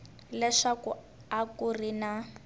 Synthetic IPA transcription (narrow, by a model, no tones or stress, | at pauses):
lɛʂaku | akurina